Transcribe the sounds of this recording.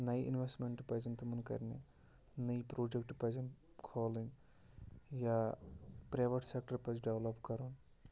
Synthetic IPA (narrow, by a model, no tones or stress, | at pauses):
nɐjḭnʋesʈmeɳʈpɐd͡ʒɐnt̪ɐmunkɐ̰ɾnḛ | nɐjpɾoːd͡ʒek̚ʈpɐd͡ʒɐn | kʰoːliŋ | ja | pɾejʋɐʈsek̚ʈɐɾpɐd͡ʒɖeʋlɐpkɐɾun